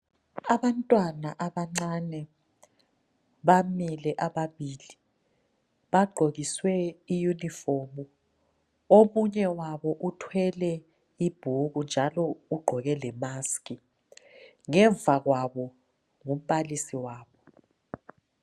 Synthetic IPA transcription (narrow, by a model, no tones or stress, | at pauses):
aβantʼwanaʔaβaŋ͡ǀanɛ | βamilɛʔaβaβiːli | βaɡ͡ǃʱoɣiswɛijunifomu | omuɲɛwaβɔʔutʰwɛlɛ | ib̥ʱuɣund͡ʒʱalɔuɡ͡ǃʱɔɣɛlɛmaskʼi | ŋɛɱvʱaɣwaβɔ | ŋum̩palisiwaːβɔ